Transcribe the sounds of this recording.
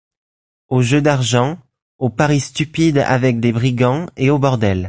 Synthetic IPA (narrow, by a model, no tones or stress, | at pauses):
oʒød̪aʁʒɑ̃ | opaʁist̪ypid̪a̰vɛk̚d̪ebʁiɡɑ̃eobɔʁd̪ɛl